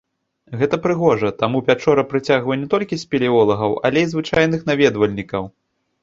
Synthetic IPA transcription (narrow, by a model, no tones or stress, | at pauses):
ɣɛt̪ɐpɾɨɣɔʐɐt̪amuvʲat͡ʂɔɾɐpɾɨt͡sʲaɣvɐjɛnʲɛt̪ɔlʲkʲisʲpʲɛlʲiɔlˠɐɣɐwɐ̰lʲɛizvɨt͡ʂajn̪ɨxn̪avʲɛd̪vɐlʲnʲikɐw